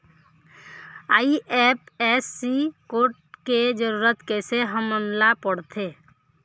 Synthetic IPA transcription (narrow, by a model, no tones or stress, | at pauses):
aːiʔɛːpɛːsːikoːʈ̚ked͡ʒəɾuːɾət̪keseɦəmːənlapəɽt̪ʰeː